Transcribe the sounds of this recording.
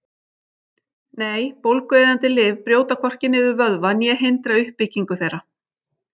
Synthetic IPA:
neːjpowlkejðant̪ɪlɪːvpɾjoːwt̪akʰvɔr̥cɪnːɪvʏɾvœðvanjɛɦejnt̪ɾaʏhpːɪciŋkʏθejɾa

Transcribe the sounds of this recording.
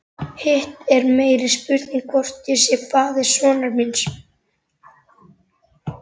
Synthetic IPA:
hɪht̪ɛɾmeːjɾɪ̥spʏɾt̪niŋkʰvɔr̥t̪jɛsjɛkʰvaːðɪɾ̥svɔːnaɾmins

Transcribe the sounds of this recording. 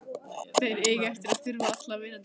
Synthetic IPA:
θejɾeːjɣɛft̪ɪɾaðθʏɾvaaht̪lavɪna

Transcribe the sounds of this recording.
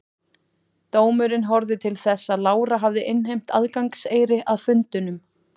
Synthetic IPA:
t̪oːwmʏɾɪnɦɔɾðɪt̪ʰɪlθɛsːaðlaːwɾaɦavðɪʔɪnɦejm̥t̪aðkaŋkseːjɾɪʔaðfʏnt̪ʏnʏm

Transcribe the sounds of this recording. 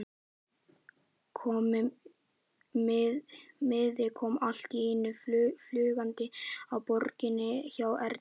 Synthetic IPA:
kʰɔːm | mɪðɪkʰɔːmal̥t̪iɪnːʏfflʏːɣant̪ɪawpɔɾcɪnːɪçawɛɾt̪

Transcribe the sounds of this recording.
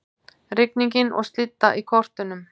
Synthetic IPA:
rɪkniɲcɪnɔ̰ɣst̪lɪt̪ːaʔikʰɔr̥t̪ʏnʏm

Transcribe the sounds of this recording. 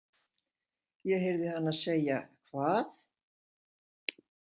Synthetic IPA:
jɛɣɦejɾðɪhanːaðseːja̰kʰvaːθ

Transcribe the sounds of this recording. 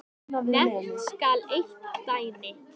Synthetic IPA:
nɛskalejht̪t̪aːjnɪ

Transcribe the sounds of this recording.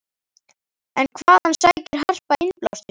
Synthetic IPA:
ɛnkʰvaːðhansaːjcɪɾ̥ɦar̥paɪnpla̰wst̪ɪs

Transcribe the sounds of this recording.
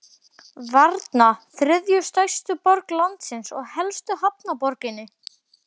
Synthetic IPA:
vaɾt̪naθɾʏðjʏst̪ajst̪ʏpɔɾklant̪sɪnsɔɣhɛlst̪ʏhapnapɔɾcɪnːɪ

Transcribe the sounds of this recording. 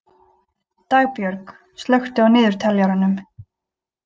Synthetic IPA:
t̪aːɣpjœɾk | st̪lœɥxt̪ɪawnɪːðʏɾ̥t̪ʰɛljaɾanʏm

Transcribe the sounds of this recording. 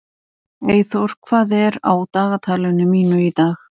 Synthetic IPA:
eːjθɔɾ̥kʰv̥aːðɛɾa̰wt̪aːɣat̪ʰaːlʏnʏmiːnʏit̪aːx

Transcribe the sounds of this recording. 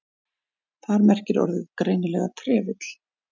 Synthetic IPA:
θaɾmɛr̥cɪɾɔ̰ɾðʏðkɾeːjnʏlɛɣat̪ʰɾɛːvɪt̪l̥

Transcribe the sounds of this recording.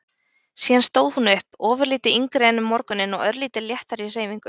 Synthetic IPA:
siːðanst̪oːwðhunʏhpɔːvʏɾliːt̪ɪiŋkɾeːjnʏmːɔɾkʏnɪnɔɣœɾliːt̪ɪljɛht̪aɾir̥eːjmiŋkʏ

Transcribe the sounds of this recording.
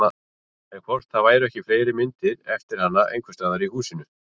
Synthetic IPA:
a | ɛnkʰvɔr̥t̪θaðvaːjɾʏɛhcɪfleːjɾɪmɪnt̪ɪɾɛft̪ɪɾ̥hanːaʔḛjŋkʰvɛst̪aːðaɾihuːsɪnʏ

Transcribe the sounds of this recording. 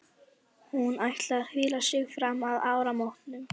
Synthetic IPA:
hunajht̪laɾhɪːlasɪɣfɾamaðaːwɾamawht̪nʏm

